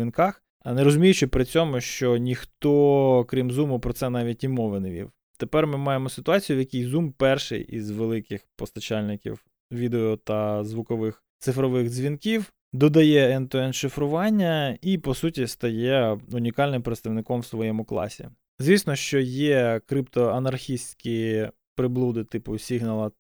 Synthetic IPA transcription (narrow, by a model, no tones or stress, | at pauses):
ʋʲinkɑx | neɾɔzʊmʲijʊt͡ʃɪpɾɪt͡sʲɔmʊʃt͡ʃɔnʲixt̪ɔkɾʲimzumʊpɾɔsɛnɑʋʲit̚ʲimɔʋɪneʋʲḭw | t̪epɛrmɪmɑjemɔsɪt̪ʊɑt͡sʲijʊʋjɐkʲijzumpɛrʃɪ̰jʔḭzʋelˠɪkɪxpɔst̪ɐt͡ʃɑlʲnɪkʲḭw | ʋʲid̪eɔt̪ɐzʋʊkɔʋɪx | t̪sɪfɾɔʋɪxzʲʋʲinkʲiw | d̪ɔd̪ɐjɛɛnt̪ɔɛnʃɪfɾʊʋɑnʲːɐipɔsutʲist̪ɐjɛʊnʲikɑlʲnɪmpɾet̪st̪ɐʋnɪkɔmwsʋɔjɛmʊklˠɑ̰sʲḭ | zʲʋʲisnɔʃt͡ʃɔjɛkɾɪpt̪ɔɐnɐrxʲisʲtʲkʲi | pɾɪblˠud̪ɪt̪ɪpʊsʲiɦnɐlˠɐ